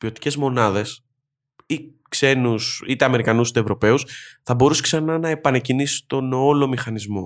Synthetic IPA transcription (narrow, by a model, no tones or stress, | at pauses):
pio̞t̪i̥ce̞zmo̞nɐðe̞s | ikse̞nusit̪eɐme̞ɾikɐnusit̪evɾo̞pe̞usθɐbo̞ɾuseksɐnɐnɐe̞pɐnɐcinisi̥t̪o̞nolo̞mixɐnizmo̞